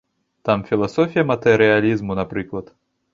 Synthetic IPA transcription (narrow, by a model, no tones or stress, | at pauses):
t̪amfʲilˠasɔfʲijɐmɐt̪ɛɾɨjalʲizmunapɾɨklˠɐt̪